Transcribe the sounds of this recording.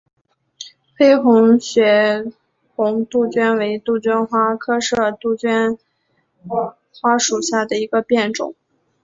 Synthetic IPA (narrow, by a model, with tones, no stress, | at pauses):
xe˥ɪxʊ˧˥ŋɕɥɛ˧˥ | xʊ˧˥ŋt̪u˥˩t͡ɕɥɛ˥nwe˧˥ɪt̪u˥˩t͡ɕɥɛ˥nxwa˥kʰɤ˥ʂɤ˥˩t̪u˥˩t͡ɕɥɛ˥n | xwa˥ʂu˨˩ɕja˥˩d̪ə˩i˧˥ɡə˧pjɛ˥˩nʈ͡ʂʊ̰˨˩˦ŋ